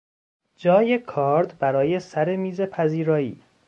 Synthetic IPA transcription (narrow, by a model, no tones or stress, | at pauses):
d͡ʒɒːjekʰɒːɾd̪bæɾɒːje̞sæɾemiːzepʰæziːɾɒːḭː